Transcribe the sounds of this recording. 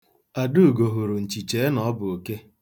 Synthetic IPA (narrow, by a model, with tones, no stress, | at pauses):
a˨du˦˨ɡo˨ɦu˨ɾu˨n̩˨t͡ʃi˨t͡ʃe˨˦nɔ˦bʊ˨o˨ke˦